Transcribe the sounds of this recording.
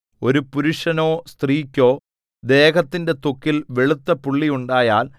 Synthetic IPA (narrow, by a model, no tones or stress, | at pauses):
o̞ɾupuɾuʂɐno̞ːst̪riːkʲːo̞ː | d̪e̞ːɣɐt̪ːinde̞t̪okːilʋe̞ɭut̪ːɐpuɭːijuɳɖaːjaːl